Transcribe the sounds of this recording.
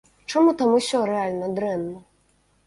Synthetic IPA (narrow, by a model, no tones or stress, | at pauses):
t͡ʂamut̪amusʲɔɾɛalʲnɐd̪ɾɛnːɐ